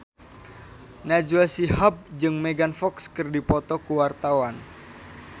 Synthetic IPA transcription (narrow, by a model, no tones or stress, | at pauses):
nad͡ʒuasihab̚d͡ʒɨŋmeɡanfɔkskɨrdipɔt̪ɔkuwart̪awan